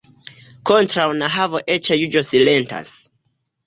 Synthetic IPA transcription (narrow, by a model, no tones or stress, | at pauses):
kontɾawnaɦavoʔet͡ʃejud͡ʒosilenta̰s